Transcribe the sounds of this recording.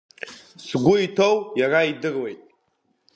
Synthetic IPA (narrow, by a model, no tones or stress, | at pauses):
sɡʷʊitʰo̞wjaraidɨrwe̞jtʼ